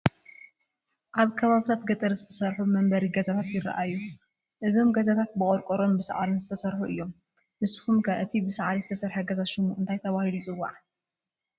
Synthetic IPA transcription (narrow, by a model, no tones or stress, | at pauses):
ʔaβkʰɐβaβit̪ʰat̪ɡɐt̪ʼɨɾzɨt̪ʰɐsɐɾħumɐmbɐɾiɡɐzat̪ʰat̪jɪɾɐ̰ʔajːu | ʔɨzo̞mɡɐzat̪ʰat̪̚bɨkʼoɾkʼoɾombɨsa̰ʕaɾinzɨt̪ʰɐsɐɾħuʔɨjːo̞m | bɨsɨ̥xumkʰaβʔɨt̪ʰibɨsʕaɾizɨt̪ʰɐsɐɾħɐɡɐzaʃɪmuʔɨnt̪ʰajt̪ʰɐβahilujt͡sʼɨwːa̰ʕ